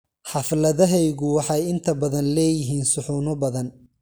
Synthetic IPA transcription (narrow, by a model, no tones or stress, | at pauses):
ħɑflɐðɐɦɛjɣʊwɑħɑjɪnt̪ʰɐbɐðɐnlɛːjɪɦiːnsʊħuːnʊbɐðɐn